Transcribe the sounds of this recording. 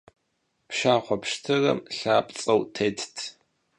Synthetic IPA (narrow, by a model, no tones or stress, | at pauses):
pʃaːχʷɔpʂtʰɨrɐ̰mɬaːpʼt͡sʼɐwtʰeːtʰtʰ